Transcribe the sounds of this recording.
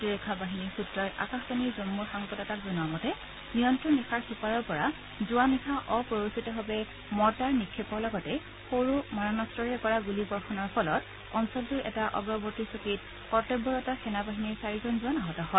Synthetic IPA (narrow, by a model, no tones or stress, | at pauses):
dɹekʰabaɦiniɹsutɹɔɹa̰kaxsɔniɹzomːuɹxaŋkɔtɔtakzɔnuamɔtɛ | nijɔntɹɔndɛkʰaɹxipaɹɔɹpɔɹa | zʊwamixʰaʔɔpɹɔɹusitɔɦɔbɛ | mɔɹtaɹmikʰːepɔlɔɡɔtɛ | xoɹumaɹɔnɔstɹɔɹɛkɔɹaɡulibɔɹkʰɔnɔɹpʰɔlɔt | ɔnsɔltuɹʔɛ̰taʔɔ̰bɔbɔɹtisokit | kɔtɛbːɔɹɔtɔsɛnabaɦiniɹsaɹizɔnzʊanaɦɔtɔɦɔ